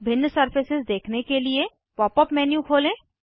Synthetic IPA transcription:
bʱɪnːsɐɾpɪsɪzd̪eːkʰnekelie | pɔːpəpmɛːnjũkʰoːlẽː

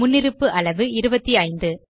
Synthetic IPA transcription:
ʊnːɪɾɯpːɯʔɐɭɐʋɯɪɾɯbɐt̪ːiɐɪnd̪ɯ

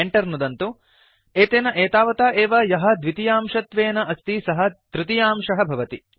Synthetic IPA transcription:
eɳʈɐɾnud̪ɐnt̪u | eːt̪eːnɐʔeːt̪aːʋɐt̪aːʔeːʋɐjɐɦɐ̆d̪ʋit̪ijaːmʃɐt̪ʋeːnɐʔɐst̪isɐɦɐ̆t̪ɾit̪ijaːmʂɐɦɐbʱɐʋɐt̪i

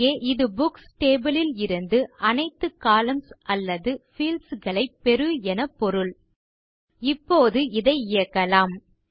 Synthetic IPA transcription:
eːʔɪðɯbʊksʈeːbɯlɪlɪɾɯnd̪ɯɐnɐɪt̪ːɯkaːlɐmsɐlːɐðɯfiːlsɣɐɭɐɪpːɛɾɯɛnɐpːɔɾɯɭ | ɪpːoːðɯɪðɐɪɪjɐkːɐlaːm

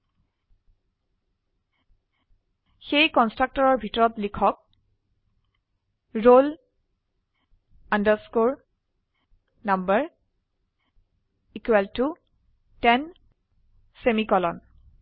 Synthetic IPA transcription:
xejkɔnstɹak̚tɔɹɔɹbʱitɔɹɔtlikʰɔk̚ | ɹol | andəɹskoɹ | nambəɹ | ikwɛltu | tɛn | semikɔlɔn

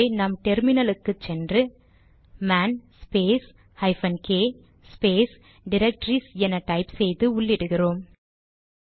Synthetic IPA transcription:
nɐmʈɛɾmɪnɐlɯkːɯt͡ʃːɛndrɯ | maːnspeːs | hɐɪfɐnkeː | speːs | ɖɪɾɐk̚ʈɾisɛnɐʈɐɪpsɛjðɯʊɭːɪɽɯɣɪroːm

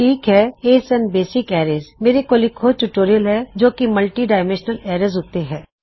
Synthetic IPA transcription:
ʈʰiːkɦɛeːsɛ̃nbeːsɪkɛːɾeːzmeːɾekoːlikʰoːt͡ʃuːʈoːɾijəlɦɛd͡ʒoːkimɐlʈiɖaːɪmɛ̃nʃnəlɛːɾezɦot̪eɦɛ̃ː

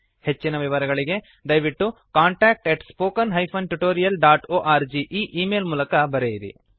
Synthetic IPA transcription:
het͡ʃːinɐʋiʋɐɾɐɡɐɭiɡe̞ | d̪ɐjʋiʈːukaːɳʈaːk̚ʈeʈspoːkɐnɦɐjpʰɐnʈuʈoːɾijɐlɖaːʈoːʔaːɾd͡ʒiʔiːʔiːmeːlmuːlɐkɐbɐɾejiɾḭ

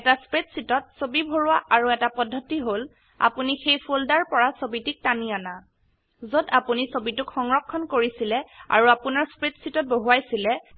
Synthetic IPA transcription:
ɛtaspɹetsitɔt̚sobibʱoɹʊwaʔaɹuɛtapɔdʱːɔtiɦol | a̰punixejpʰoldaɹpɔɹasobitik̚taniana | zodapunisobitukxɔŋɹɔkʰːɔnkoɹisilɛa̰ɹuapunaɹspɹetsitɔt̚boɦuajsilɛ

